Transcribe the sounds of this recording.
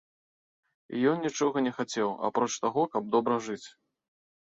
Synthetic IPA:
ḭjɔnnʲit͡ʂɔɣɐnʲɛxat͡sʲɛwa̰pɾɔt͡ʂt̪aɣɔkɐb̚d̪ɔbɾɐʐɨt͡sʲ

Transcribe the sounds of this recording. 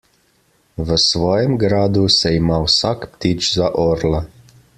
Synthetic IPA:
ʋəsʋɔːjɛmɡɾaːd̪usɛimaːwsaːkpt̪iːt͡ʃzaʔoːɾla

